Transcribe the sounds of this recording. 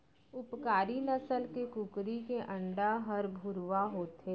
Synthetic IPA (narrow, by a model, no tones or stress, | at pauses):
ʊpkaːɾinɐsəlkekʊkɾikeʔɐ̃ɳɖaɦɐɾbʱʊɾʋaɦoːt̪ɦeː